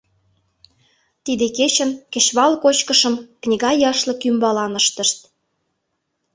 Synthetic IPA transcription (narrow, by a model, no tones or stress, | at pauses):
t̪id̪eket͡ɕə̆nkə̆ɕβɑlkot͡ɕkə̆ʃə̆mknʲiɣɑjɑʃlɤ̆kymbɑlɑnəʃt̪ə̆ʃt̪̚